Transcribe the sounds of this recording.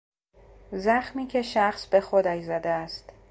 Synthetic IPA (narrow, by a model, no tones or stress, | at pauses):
zæxmiːcʰe̞ʃæxsbe̞xod̪æjzæd̪eæst̪